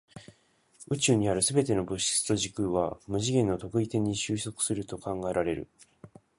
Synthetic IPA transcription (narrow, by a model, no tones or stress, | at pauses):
ɯ̟t͡ɕɨːɲ̟iaɾɯ̟sɨbe̞t̪e̞no̞bɯ̟ɕi̥t͡sɨ̥t̪o̞ʑikɯ̟βamɯ̟ʑiɡẽ̞nːot̪o̞kɯ̟it̪ẽ̞ɲ̟ːiɕɨːso̞kɯ̟̥sɨɾɯ̟t̪o̞kãŋɡae̞ɾaɾe̞ɾɯ̟̰